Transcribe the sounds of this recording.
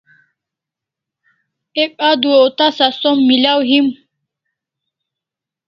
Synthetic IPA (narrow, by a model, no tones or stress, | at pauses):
ek̚ʼad̪ueot̪asasomːilawɦim